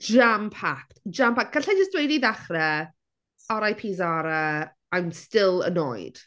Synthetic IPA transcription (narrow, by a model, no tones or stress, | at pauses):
ʒampʰaktd͡ʒampʰak̚ɡ̥aɬad͡ʒəsd̥wejdiðaχrɛ | ɔɾajpʰiːzaɾə | ajmstɪlˠə̰nɔ̰jd̥